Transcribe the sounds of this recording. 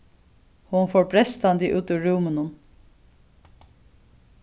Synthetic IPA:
hʊnfɔɹbɾɛst̪and̪ɪʔʉːt̪ʉɹuwmənʊn

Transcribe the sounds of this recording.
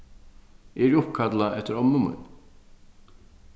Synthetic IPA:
eɾʊpkʰad̪laɛt̪ʰːəɾɔmnʊmə̰n

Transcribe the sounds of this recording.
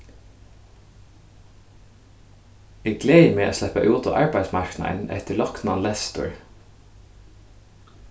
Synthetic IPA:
iːɡleɪmeːʔoːslɛpəʔɑ̰uːt̪ʊʔɑɹbæɪsmɑɹknɑ̰ə̰ɳɛ̰t̪əlɔknɑnlɛst̪ʊ̰ɹ

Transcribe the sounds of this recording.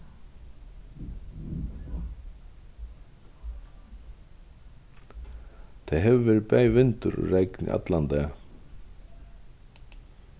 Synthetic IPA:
t̪ʰɛɦɛvɪvɛːɾɪpɛːjvɪnt̪ʏɾɔ̰rejknɪ̰ʔa̰t̪lant̪ɛː

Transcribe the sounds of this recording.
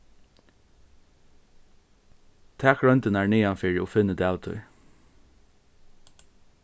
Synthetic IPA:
t̪ʰɛːkɹœnt̪ɪnaɹniːanfɪːɹɪɔfɪnːəd̪ɛaːwt̪ʰʊ̰j

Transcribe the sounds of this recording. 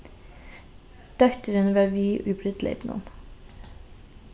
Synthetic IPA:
d̪̥œkt̪əɾənʋɑːʋiːʔʉːbɾʏd̪lḛɪbnʔṵn

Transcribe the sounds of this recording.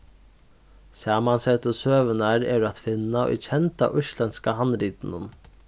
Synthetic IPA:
sɑːmansɛt̪əsøːʋənaɾɛ̰ɾat̪fɪnːaʏ̰t͡ɕʰɛnt̪a̰ʔʊʃlɛnskaɦanːɾiːt̪nən

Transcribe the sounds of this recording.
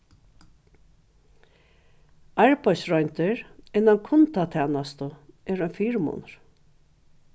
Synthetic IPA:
ɑɹpajsɹɔjnt̪ɪɹɪnamkʰʊnt̪at̪ʰɛːnast̪ʊɛːɹœnfiːɹmʊ̰nɹ̥

